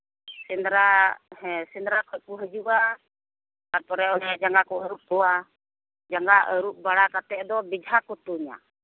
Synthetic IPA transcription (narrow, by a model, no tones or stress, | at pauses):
sindɾahɛsind̪ɾakɔkuɦəd͡ʒuʔa | kapɔɾɛɔɾɛad͡ʒaŋɡakɔəɾup̚t̪ɔa | d͡ʒaŋɡaʔəɾuʔ̚baɽakat̪ɛʔd̪ɔbid͡ʒɦakut̪uɲa̰